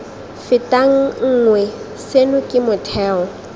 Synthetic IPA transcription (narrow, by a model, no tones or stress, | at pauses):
fɪtʼaŋ̩ŋ̩ŋwɛ | senʊkʼɪmʊtʰɛːɔ